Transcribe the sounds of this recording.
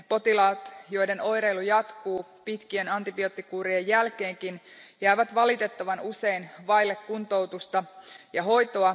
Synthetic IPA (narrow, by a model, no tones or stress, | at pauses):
po̞t̪ilɑːt̪jo̞jdeno̞jɾe̞jlujɑt̪kuːpit̪k̟ienɑnt̪ibio̞t̪ːikuːɾiejːælk̟e̞ːŋkinjæiʋæt̪ʋɑlit̪e̞t̪ːɑʋɑnuse̞inʋɑilːekːunt̪o̞wt̪ust̪ɑjɑɦo̞jt̪oɑ